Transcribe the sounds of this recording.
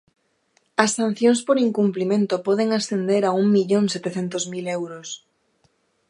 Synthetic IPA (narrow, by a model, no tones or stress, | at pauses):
ɐsːan̟θjõŋspoɾiŋkumplimẽnt̪opɔðeŋasθend̪eɾauŋmiʎoŋset̪eθent̪ozmilewɾos